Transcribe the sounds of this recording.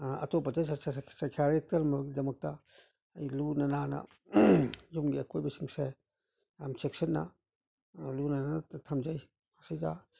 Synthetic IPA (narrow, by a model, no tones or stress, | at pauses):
ɐ̰tɔpɐd͡ʒajsasakʰaɾik̚tɐɾmɐbɐɡidɐmɐk̚tɐ | ɐjlunɐnanɐ̰ | d͡ʒumɡiɐkʰojbɐsiŋse | amt͡ʃeksɐnːɐ̰ | lunananɐtʰɐmd͡ʒajʰ | asijza